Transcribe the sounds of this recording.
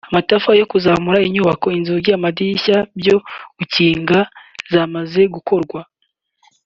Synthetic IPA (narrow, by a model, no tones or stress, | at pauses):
amatafajo̞kuzaːmuɾaiɲuːβako̞inziɡɟamadiçabjo̞ɡ̥uciːŋɡazamaze̞ɡuko̞ɾɡwa